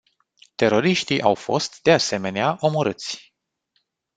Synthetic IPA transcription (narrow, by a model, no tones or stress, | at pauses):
t̪e̞ɾo̞ɾiʃt̪iʔawfo̞̰st̪d̪e̞ase̞me̞neaʔo̞moɾɨt̪sʲ